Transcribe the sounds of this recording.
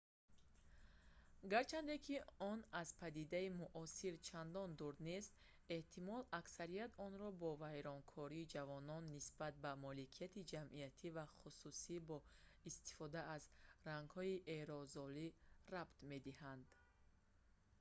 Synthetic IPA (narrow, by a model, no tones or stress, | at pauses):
ɡaɾt͡ʃʰand̪e̞kʰiɔnazpʰad̪id̪aimuʔɔsiɾt͡ʃʰand̪ɔnd̪uɾd̪ne̞st̪ | e̞ht̪ʰimɔlaksaɾijat̪ɔnɾɔbɔvajɾɔŋkʰɔɾiːd͡ʒavɔnɔnːisbat̪̚bamɔlikʰijat̪id͡ʒamʔijat̪ʰivaχususibɔist̪i̥fɔd̪aazraŋɡhɔiʔeɾɔzɔlirabt̪me̞d̪ihand̪